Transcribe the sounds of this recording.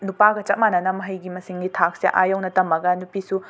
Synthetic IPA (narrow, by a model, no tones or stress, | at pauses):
nupaɡɐt͡ʃɐt̚manɐnɐmɐɦɐjɡimɐsiŋɡitʰak̚sḛʔa̰jownɐtɐmɐɡɐnupisu